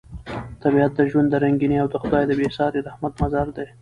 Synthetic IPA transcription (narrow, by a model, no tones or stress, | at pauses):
t̪abiat̪̚d̪əʒwand̪d̪əɾaŋɡiniawd̪əxʊd̪ɑjd̪əbesɑɾeɾahmad̪mazɑɾd̪e